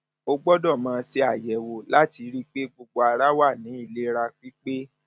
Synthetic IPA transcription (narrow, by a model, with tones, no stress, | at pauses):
o˧ɡ͡bɔ˦dɔ˦˨mãː˦˧se˧a˨jɛ˨˦wo˧la˦ti˧ɾi˦k͡pe˦ɡ͡bo˧ɡ͡bo˧a˧ɾa˦wa˦˨nĩ˨˦i˦˨le˦ɾa˧k͡pi˦k͡pe˦